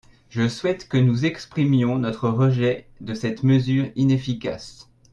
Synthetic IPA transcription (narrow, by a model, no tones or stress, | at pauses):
ʒəswɛt̪kənuzɛkspχimjɔ̃nɔt̪χəʁəʒɛd̪əsɛt̪məzyːʁinefika̰s